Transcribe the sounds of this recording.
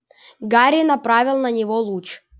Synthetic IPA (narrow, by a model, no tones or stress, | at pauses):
ɡaɾʲɪnɐpɾavʲɪlˠnɐnʲɪvolˠut͡ʃ